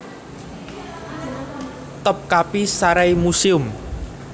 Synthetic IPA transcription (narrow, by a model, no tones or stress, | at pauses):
t̪əp̚kapisaɾajmusiʊm